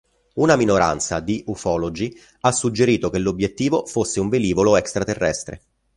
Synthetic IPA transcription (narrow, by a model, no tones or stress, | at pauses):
unaminoɾa̰nt̪sa̰d̪iʔufɔːlod͡ʒi | asːud͡ʒːeɾiːt̪okelːobjet̪ːiːvofosːeuɱveliːvoloɛkst̪ɾat̪erːɛ̰st̪ɾḛ